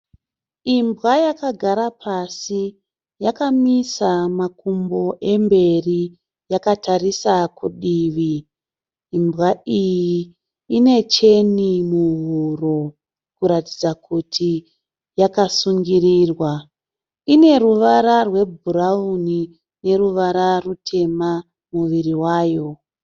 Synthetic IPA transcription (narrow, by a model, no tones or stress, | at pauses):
imbwajakaɡʱaɾapasi | jakamisamakumboʔe̞mbe̞ri | jakatarisakuɗiːʋiː | mbɣaijiː | ne̞t͡ʃe̞nimuɦuro̞ | kuɾatid͡zakutʰi | jakasuŋɡiriːrwa | ine̞ruʋaɾarwe̞bʱuɾauni | ne̞ɾuʋaɾarutʰe̞ma | muʋiriwaːjo̞